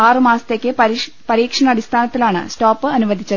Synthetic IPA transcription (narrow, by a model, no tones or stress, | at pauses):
aːrɨmaːsɐt̪eːkʲːɨ | pɐɾiːkʂɐɳɐɐɽist̪ʰaːnɐt̪ːilaːɳɨ̰stoːpːɨɐnuʋɐd̪ʱit͡ɕːɐ